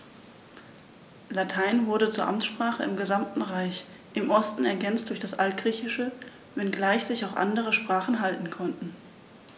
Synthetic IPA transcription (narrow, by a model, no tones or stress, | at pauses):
latʰaɪnvʊɐɾət͡suːɐʔamt͡sʃpʁ̥aːχə̰ɪmɡəzamtn̩ʁaɪç | ʔɪmʔɔstn̩ɛɐɡɛnt͡std̥ʊɐçd̥asʔaltɡ̥ʁiːçɪʃə | vɛnɡlaɪçz̥ɪçaʊxʔa̰ndəʁ̞əʃpʁ̥aːχn̩ɦaltn̩kʰɔntn̩